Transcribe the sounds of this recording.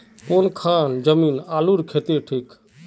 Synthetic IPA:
konkʰand͡ʒəmiːnaːluɾkʰet̪eʈʰiːk

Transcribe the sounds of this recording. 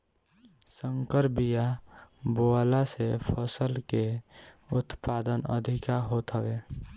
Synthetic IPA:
səŋkəɾbijaboalasepʰəsəlkeʊt̪paːd̪ənə̰d̪ʱɪkaɦot̪ɦəe

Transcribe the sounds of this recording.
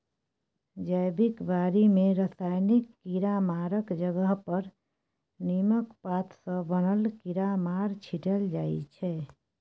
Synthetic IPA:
d͡ʒəjbikbaɾimeɾəsajnikːiɾamaɾəkd͡ʒəɡəɦpəɾ | niməkpat̪ʰsə̃bənəlkiɾamaɾt͡ʃʰiʈəld͡ʒaj̰t͡ʃʰɛ

